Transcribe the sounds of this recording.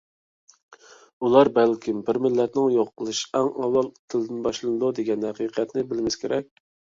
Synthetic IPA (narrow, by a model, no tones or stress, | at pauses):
ulˠɑɾbɛlkʲʰimbɪɾmɪlːɛt̪nɪŋjoqʰːəlˠɨʃɛŋɑwːɑlˠt̪ʰɨld̪ɪnbɑʃlˠɨnɨd̪ud̪eɡʲɛnhæqʰiqʰɛt̪nɪbɪlmɪskʲʰeɾɛk̚ʲ